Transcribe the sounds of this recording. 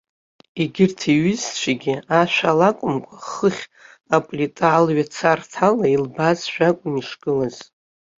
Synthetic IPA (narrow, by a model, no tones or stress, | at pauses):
iɡʲɪrtʰiɥɪzt͡ɕʷʰaɡʲɪaʃʷᶣalakʷʼʊmkʷʼaχəχʲ | apʼlʲitʼaːlɥat͡sʰartʰalailbazʃʷᶣakʷʼʊniʂɡ̥ɨlaz̥